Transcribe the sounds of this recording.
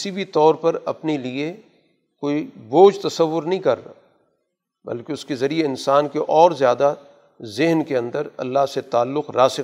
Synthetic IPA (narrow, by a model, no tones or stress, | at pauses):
ɪsibʱit̪ɔːɾpɐɾɐpnelie | koːiboːd͡ʒt̪ɐsɐʋːʊɾnɐɦĩkɐɾ̰ | bɐ̰lkeʊskezɐɾieɪnsaːnkeʔɔːɾzjaːd̪a | zɪɦnkeɐ̃nd̪əɾɐ̰lːaɦset̪aːlːʊqɾaːsɪ